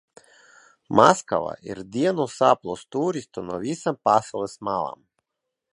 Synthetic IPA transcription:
maska̰ʋa̰jɛ̰ɾd̪ijanosaplˠost̪uːɾist̪onoʋisampasolɛsmalˠa̰m

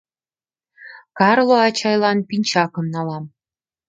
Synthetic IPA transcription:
kɑrlˠoɑt͡ɕɑjlˠɑnpinʲt͡ɕɑkɤ̆mnɑlˠɑm

